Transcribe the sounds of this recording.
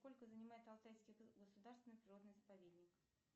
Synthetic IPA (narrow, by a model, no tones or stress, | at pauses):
sko̞lʲkəzənʲɪmajɪt̪ɐlˠt̪ajskʲɪɡəsʊd̪arst̪vʲɪnːpɾʲɪro̞d̪nɨjzəpɐvʲed̪ʲnʲɪk